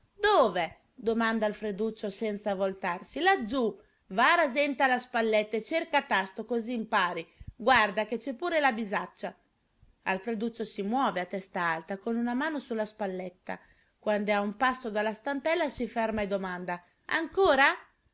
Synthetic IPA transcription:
d̪oːve | d̪omand̪alfɾed̪ut͡ʃːosɛnt̪savolt̪arsilad͡ʒ̪ːu | vaɾazɛnt̪alaspalːɛt̪ːaet͡ʃerkat̪ast̪okoziːmpaːɾiɡward̪aket͡ʃːɛpːuːɾelabizat͡ʃːa | a̰lfɾed̪ut͡ʃːosimwɔːveat̪ːɛst̪aalt̪akonunamaːnosulːaspalːɛt̪ːa̰ | kwand̪eaumpasːod̪alːast̪ampɛlːasifɛrmaed̪omand̪a | a̰ŋkoːɾa

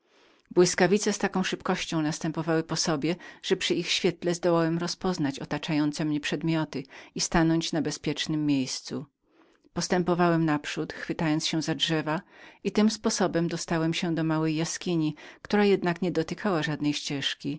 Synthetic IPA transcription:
bwɘskavʲit̪sɛst̪akɔ̃w̃ʂɘpkɔɕt͡ɕɔ̃w̃nast̪ɛmpɔvawɘpɔsɔbʲjɛʐ̥ɛpʂɘixɕfʲjɛt̪lɛzd̪ɔwawɛmɾɔspɔznat͡ɕɔt̪at͡ʂajɔnt̪sɛmɲɛpʂɛd̪mʲjɔt̪ɘist̪anɔɲt͡ɕnabɛspʲjɛt͡ʂnɘmːjejst̪su | pɔst̪ɛmpɔvawɛmnapʂut̪xfɘt̪ajɔnt̪sɕɛ̃zadʐɛvait̪ɘmspɔsɔbɛmd̪ɔst̪awɛmɕɛd̪ɔmawɛjːaskʲiɲikt̪uɾajɛd̪nakɲɛd̪ɔt̪ɘkʰawaʐad̪nɛjɕt͡ɕɛʂkʲi

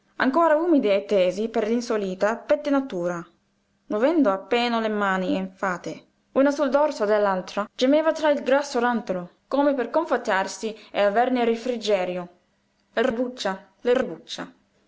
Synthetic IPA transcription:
a̰ŋkoːɾauːmid̪iet̪ːɛːzipeɾlinsoliːt̪apɛt̪ːenat̪uːɾa | movɛnd̪oapːɛːnolemaːnieɱfaːt̪e | uːnasuld̪ɔrsod̪elːalt̪ɾad͡ʒemɛːvat̪ɾailɡɾasːoɾant̪olokoːmeperkoɱfat̪ːarsieavɛrneɾifɾid͡ʒɛːɾjo | ɪrebut͡ʃːa | lɪrebut͡ʃːa̰

